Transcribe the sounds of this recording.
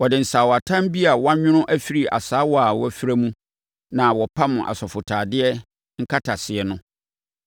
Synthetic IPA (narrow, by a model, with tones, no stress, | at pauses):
wɔ˨dɪ˨n̩˨sa˨wɔ˨a˨tʰã˦m˦bi˦a˨wa˦ɲᶣɪ̃˦ñʊ̃˦ʔæ˦fi˦ɾi˨ʔa̰˨saː˨˦wɔ˦a˨wɔ˦˨fi˦ɾæ˦mũ˦ | nã˨wɔ˨pʰa˦mʊ̃˨ʔa̰˨sɔ˨fʊ˨tʰaː˨dɪ˦ɛ˦ | ŋ̩˦kʰa˦tʰa˨sɪ˨ɛ˨nʊ̃˦